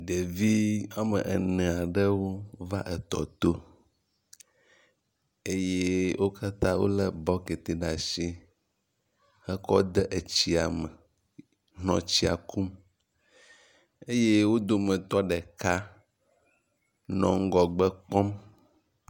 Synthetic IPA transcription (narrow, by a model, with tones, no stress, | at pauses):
d̪e˨vi˦a˦mə̰̃˨ʔɛ̰˨nɛ̃˨a˨ɖə˦wo˦va˦ʔɛ˨t̪ɔ̰˨t̪o˦ | e˦je˦wʔo˦kʰa˦t̪ã˦wo̰˦lɛ˦bɔ˦ke˨t̪e˨ɖa˨ʃi˦ | hɛ˦kɔ˦d̪ɛ˦ʔe˨t͡ɕi˦a˨mɛ˨ | ɦɔ̰̃˨t͡ɕi˦a̰˨ku˦m | e˦je˦wo˦d̪o˦mə̃˨t̪ɔ˦ɖɛ˨ka˦ | nɔ̰̃˨ŋ̩˦ɡɔ˨ɡ͡bɛ˦k͡pɔ̃˦m